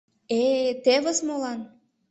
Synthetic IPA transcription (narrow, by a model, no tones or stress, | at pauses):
et̪eβəsmolɑn